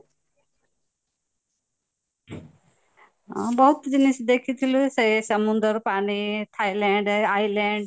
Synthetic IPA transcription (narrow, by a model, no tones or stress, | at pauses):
bɐɦut̪d͡ʒinisud̪ekʰːit̪ulusɐsɐmund̪ɐɾpaɳit̪ʰɐjleːɳɖɐjleːɳɖ